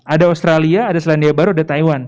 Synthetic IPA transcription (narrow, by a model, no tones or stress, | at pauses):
ʔadaost̪ɾaliaːdaslandiabaɾuadat̪aiwan